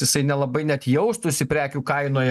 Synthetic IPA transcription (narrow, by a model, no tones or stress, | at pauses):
jɪsɐɪnʲɛlˠɐbɐɪnʲɛt̪ʲjɛʊst̪ʊsʲɪpʲɾʲæːkʲuːkɐɪnoːjɛ